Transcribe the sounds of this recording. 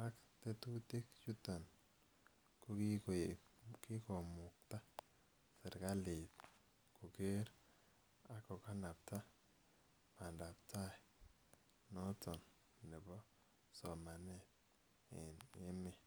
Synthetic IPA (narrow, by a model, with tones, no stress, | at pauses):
a˦kte˦tu˦te˦kt͡ʃu˦ta˨n | ko˦ki˦k | ki˦kɔ˨mʊ˨k̚ta˦ | se˨ɾka˦li˨t | ku˨ke˦ɾ | a˦kɔ˨ka˦na˨p̚ta˦ | ma˨nda˨p̚ta˦j | nɔ˦tɔ˨n | nɛ˨bɔ˦ | sɔ˨ma˨ne˦˨t̚ | e˨ne˦mi˦